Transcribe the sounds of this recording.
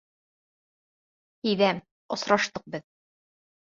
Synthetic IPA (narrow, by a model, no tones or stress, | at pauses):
ijðæm | ŏsɾɑʃt̪ɤq̚bɘð